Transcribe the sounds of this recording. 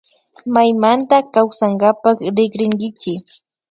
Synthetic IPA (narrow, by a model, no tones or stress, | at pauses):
majmant̪akawsaŋɡapakɾɪɡɾɪŋɡɪt͡ʃɪ